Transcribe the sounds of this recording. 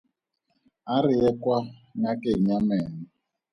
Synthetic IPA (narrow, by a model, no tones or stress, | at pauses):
aɾiɛkwaŋakeɲamɛːni